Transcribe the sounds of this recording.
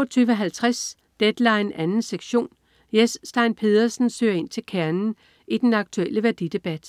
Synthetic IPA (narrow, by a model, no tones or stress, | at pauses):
ɒt͡sʰyːʋəɦælt͡sʰʁas | d̥ed̥lɑ̈ɪenænn̩seɡ̥ɕo̝̰ːn | jesːd̥ɑ̈ɪnpʰe̝ðˠɐsn̩sø̰ːɐe̝n̰t͡sʰe̝lkʰæɐnn̩ | id̥enɑ̈ɡ̥̚t͡sʰueləʋæɐd̥id̥e̝b̥æd̥